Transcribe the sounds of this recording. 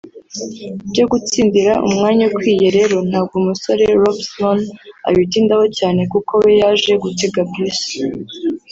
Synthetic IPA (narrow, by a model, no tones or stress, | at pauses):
bɟo̞ɡut͡siːndiɾaʔṵmŋaːɲakwiːje̞ɾe̞ɾo̞n̥haːb̚ɡomuso̞ɾe̞ɾobsona̰witiːndaho̞caːne̞kuko̞we̞jaːʒe̞ɡuteɡabisi̥